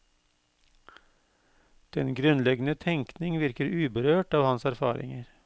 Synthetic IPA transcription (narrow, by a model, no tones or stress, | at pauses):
d̪̥ɛnɡɾʉnlɛɡnət̪ʰɛŋknɪŋʋɪɾkəɾʉːbəɾøːʈɑːʋhɑnsæɾfɑ̰ːɾɪ̰ŋəɾ